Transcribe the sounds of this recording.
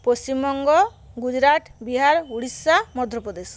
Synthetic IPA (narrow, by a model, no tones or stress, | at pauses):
post͡ʃimɔŋɡɔ | ɡud͡ʒɾaʈbiɦaɾuɽisːamɔd̪ʱɾɔpɔd̪es